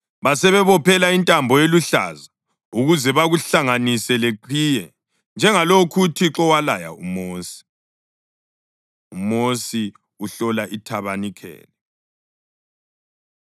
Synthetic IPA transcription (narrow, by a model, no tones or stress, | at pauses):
βasɛβɛβɔpʰɛlaintʼambʱɔjeluɬa̰za | uɣuzɛβaɣuɬaŋanisɛleǃʰijɛ | nd͡ʒʱɛŋalokʰutʰiǁɔwalaja̰umoːsi̥ | umosi | uɬɔlaʔitʰaβanikʰɛ̰ːlɛ